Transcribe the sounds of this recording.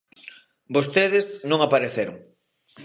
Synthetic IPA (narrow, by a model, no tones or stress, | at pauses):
bost̪eðɪznõŋapaɾeθeɾʊ̰ŋ